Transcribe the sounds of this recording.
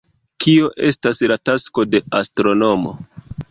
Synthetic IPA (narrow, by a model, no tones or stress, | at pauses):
kʰio̞ʔe̞staslatasko̞de̞astɾo̞no̞mo̞̰